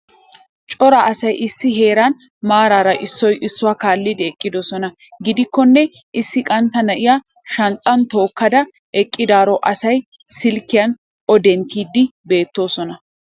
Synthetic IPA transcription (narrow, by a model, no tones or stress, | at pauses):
t͡ʃʼɔɾaʔɐsɐjʔɪsːɪɦe̞ːɾɐn | maːɾaːɾɐʔɪsːɔjʔɪsːʊwaːkaːlːɪd̪ɛɛkʼːɪd̪ɔsɔnɐ | ɡɪd̪ɪkːɔnːɛ | ʔɪsːɪkʼɐnt̪ːɐnɐʔɪjaʃɐnt͡sʼːɐnt̪o̞ːkːɐd̪ɐ | ʔɛkʼːɪd̪aːɾɔʔɐsɐj | sɪlkːɪjɐn | ɔd̪ɛnt̪iːd̪ːɪbe̞ːt̪ːo̞ːsɔnɐ